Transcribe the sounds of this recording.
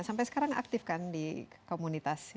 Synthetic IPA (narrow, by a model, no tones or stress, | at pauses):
sampɛjsə̥kaɾaŋa̰k̚t̪ɪfkandikomunit̪as